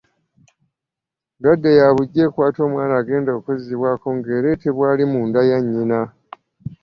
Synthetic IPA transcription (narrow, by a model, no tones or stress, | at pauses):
dadːejaβuɟːe̞kwaːto̞ːmwaːnaːɡe̞ːndoːkoziβwako̞ŋɡeːɾe̞teβwaːlimuːndajaɲːina